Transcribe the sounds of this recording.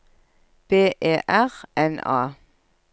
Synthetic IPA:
b̥eːʔeːʔæʁʔɛnɑ̰ː

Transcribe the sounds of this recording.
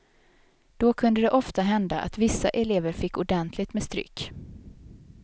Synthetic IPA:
d̪̥ɔkʰɵnd̪əd̪ɛʔɔft̪aɦɛnd̪aʔa̰t̪vɪsːaʔɛleːvəɾfɪkːʊɖɛnt̪ʰlɪɡt̪mɛːst̪ɾʏ̰kː

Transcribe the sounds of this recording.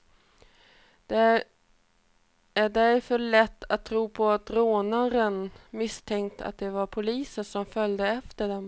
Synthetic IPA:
d̪̥ɛ | æɖɛɾfœɭɛt̪ʰːat̪ʰːɾuːpʰɔat̪ɾoːnaɾənmɪst̪ʰɛŋkt̪ʰa̰t̪̚d̪ɛvaɾpʰʊliːsəsɔmfœld̪əɛft̪əɖɛm

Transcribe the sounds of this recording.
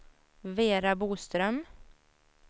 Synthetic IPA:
veːɾabuːst̪ɾœm

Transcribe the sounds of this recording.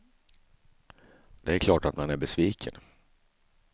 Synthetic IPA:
d̪ɛæɾkʰlɑːʈat̪manæɾbɛsviːkʰə̰n

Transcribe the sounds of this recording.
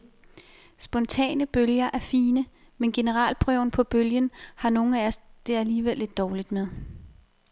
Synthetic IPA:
sb̥ɒ̽nt͡sʰɛ̰ːnəb̥øljɐʔæɐfiːnə | menɡ̥e̝nəʁɑ̰̈ːlpʰʁœʊ̰n̩pʰɒ̽b̥øljənhɑ̈no̝ːŋ̩æɒsd̥e̝æliːʋel̰e̝d̥ːɒːlid̥með̞ˠ

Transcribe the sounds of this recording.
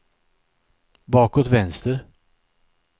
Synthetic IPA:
bɑːkoːt̪vɛnst̪əɾ

